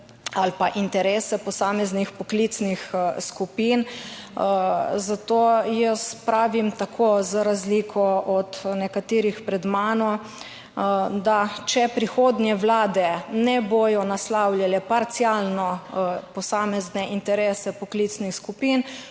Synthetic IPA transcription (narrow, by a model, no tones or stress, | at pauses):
alpaʔint̪ɛɾeːsɛpɔsaːmɛznixpɔklit̪snixskupin | zat̪oːjəspɾaːʋimt̪akʰoːzɾazlikʰɔʔɔt̪nɛkat̪iːɾixpɾɛd̪maːnɔ | d̪at͡ʃɛpɾixoːd̪njɛwlaːd̪ɛnɛboːjɔnaslawlʲjalɛpaɾt̪sjalnɔpɔsaːmɛznɛʔint̪ɛɾeːsɛpɔklit̪snixskupin